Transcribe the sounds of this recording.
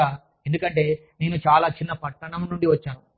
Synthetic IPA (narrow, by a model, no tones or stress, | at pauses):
aː | end̪ukɐɳʈe̞ː | ne̞ːnut͡ʃaːlaːt͡ʃinːɐpɐʈːɐɳɐmnuɳɖiʋɐt͡ʃːaːnu